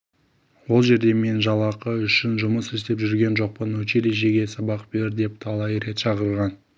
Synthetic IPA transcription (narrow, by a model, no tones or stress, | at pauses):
wo̞lˠʒe̞ɾd̪e̞me̞nʒɑlˠɑqəʏʃɪnʒʊməsɪst̪e̞pʒʏɾɡʲe̞nʒo̞q̚pənɵʃeleʒe̞ɡʲe̞sɑbɑq̚be̞ɾd̪e̞p̚t̪ʰɑlˠɑjɾe̞t̪ʃɑqəɾʁɑn